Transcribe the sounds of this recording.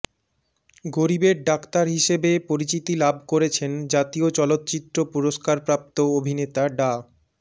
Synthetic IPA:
ɡoɾibeɾɖakt̪aɾɦiʃebepoɾit͡ɕit̪ilabʱkoɾet͡ɕʰend͡ʑat̪iot͡ɕɔlot̪ːt͡ɕit̪ːɾopuɾoʃkaɾpɾap̚t̪oobʱinet̪aɖa

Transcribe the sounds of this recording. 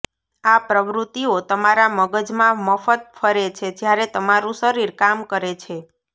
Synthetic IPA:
apɾəʋɾut̪ːiot̪əmaɾaməɡəd͡ʒmãməfət̪̚fʰəɾet͡ʃʰed͡ʒjaɾet̪əmaɾũsəɾiɾkamkəɾet͡ʃʰe

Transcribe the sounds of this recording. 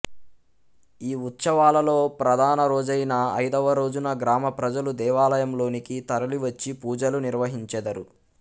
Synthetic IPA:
iːut̪sɐʋaːlɐlo̞ːpɾɐd̪ʱaːnɐɾo̞ːd͡ʒɐjnɐɐ̰jd̪ɐʋɐɾo̞ːd͡ʒunɐɡɾaːmɐpɾɐd͡ʒɐlud̪ɛːʋaːlɐjɐmlo̞ːnikit̪ɐɾɐliʋɐt͡ʃːipuːd͡ʒɐluniɾʋɐɦiɲt͡ʃɛd̪ɐɾu

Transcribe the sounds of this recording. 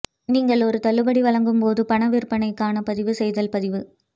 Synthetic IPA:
niːŋɡɐɭɔɾɯt̪ɐɭːɯbɐɽiʋɐɭɐŋɡɯmpoːðɯpɐɳɐʋɪɾpɐnɐɪkːaːnɐpɐðɪʋɯsɛjðɐlpɐðɪʋɯ

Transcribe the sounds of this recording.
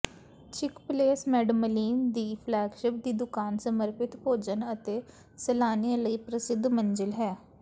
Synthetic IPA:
t͡ʃʰɪkpleːsmɛːɖəməliːmd̪iːpʰlɛːɡʃɪp̚d̪iːd̪ʊkaːnsəməɾpɪt̪poːd͡ʒənət̪eː | səlaːniãləiːpɾəsɪd̪ʱmənd͡ʒəlɦɛː

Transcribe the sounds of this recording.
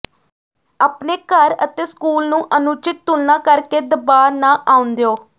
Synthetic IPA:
aːpneːkəɾət̪eːskuːlnũːʔənʊt͡ʃɪt̪̚ːʊlnaːkəɾkeːd̪əbaːɾnãːʔaːʊ̃nd̪eoː

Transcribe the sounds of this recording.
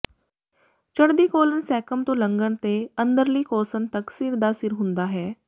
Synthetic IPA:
t͡ʃəɽd̪iːkoːlənsɛːkəmt̪õːlə̃ŋɡəɳ̃t̪eə̃nd̪əɾliːkɔːsənt̪əksiɾd̪aːsɪɾɦʊ̃nd̪aːɦɛː

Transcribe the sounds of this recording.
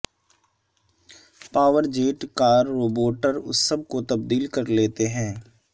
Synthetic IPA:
paːʋəɾd͡ʒeːʈkaːɾːoːboːʈəɾʊsːɐb̚kot̪ɐb̚d̪iːlkɐɾleːt̪eɦɛ̃ː

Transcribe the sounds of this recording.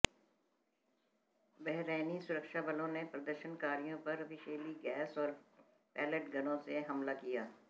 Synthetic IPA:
bɛɦɾeːnisʊɾəkʃabɐlõnepɾɐd̪əɾʃənkaːɾijõpɐɾɐfɪʃeːliɡɛːsɔːɾ | pɛːləʈɡɐnõseɦɐmlakijaː

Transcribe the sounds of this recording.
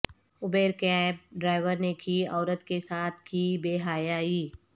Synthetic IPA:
ʊbeːɾkɛːp̚ɖɾaːɪʋəɾnekiɔːɾət̪kesaːt̪ʰkiːbeːɦaːjaːiː

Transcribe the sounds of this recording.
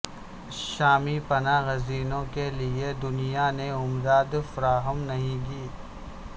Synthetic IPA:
ʃaːmipɐnaɣɐziːnõkelied̪ʊnijaneʊmd̪aːd̪fɐɾaːɦəmnɐɦĩɡiː

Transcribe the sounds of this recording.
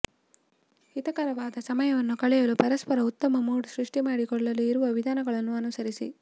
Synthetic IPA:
it̪ɐkɐɾɐʋaːd̪ɐsɐmɐjɐʋɐnːukɐɭɛjɐlupɐɾɐspɐɾɐut̪ːɐmɐmuːɽsɾiʂʈimaːɽikɔɭːɐlːiːɾuʋɐʋid̪ʱaːnɐɡɐɭɐnːuɐnusɐɾisḭ

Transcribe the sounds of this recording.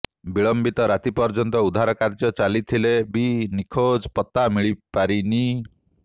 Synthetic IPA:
biɭɔmbit̪ɔɾat̪ipɔɾd͡ʒɔnt̪ɔud̪ʱaɾɔkaɾd͡ʒɔt͡ʃalit̪ʰilebinikʰod͡ʒpɔt̪amiɭipaɾini

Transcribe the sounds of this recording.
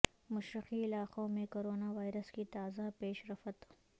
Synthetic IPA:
mʊʃɾɪqiɪlaːqõmẽkoːɾoːnaʋaːɪɾəskit̪aːzapeːʃɾɐfət̪

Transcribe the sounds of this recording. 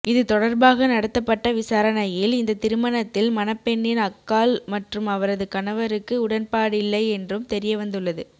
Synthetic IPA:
ʔɪðɯt̪ɔɽɐɾbaːɣɐnɐɽɐt̪ːɐpːɐʈːɐʋɪsaːɾɐnɐjɪlɪnd̪ɐt̪ɪɾɯmɐnɐt̪ːɪlmɐnɐpːɛɳːɪnɐkːaːlmɐʈrɯmɐʋɐɾɐðɯkɐnɐʋɐɾɯkːɯʊɽɐnpaːɽɪlːɐɪɛndrɯmt̪ɛɾɪjɐʋɐnd̪ɯɭːɐðɯ

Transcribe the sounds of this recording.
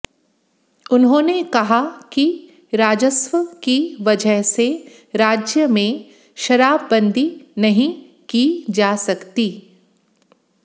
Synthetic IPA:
ʊnɦõːnekɐɦaki | ɾaːd͡ʒəswəkiʋɐd͡ʒəɦse | ɾaːd͡ʒjəmẽ | ʃɐɾaːbːɐ̃nd̪ʱinɐɦĩ | kid͡ʒaːsɐkt̪iː

